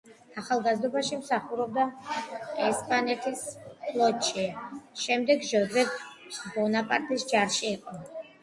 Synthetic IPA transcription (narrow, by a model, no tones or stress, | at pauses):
aχalˠɡazd̪ɔbaʃimsaχuɾɔb̚d̪a | ɛspʼanɛt̪ʰispʰlˠɔt̪ʃʰiʃɛmd̪ɛɡʒɔd̪zɛt̪bɔnapʼaɾt̪ʰʼisd͡ʒaɾʃiːqʼɔ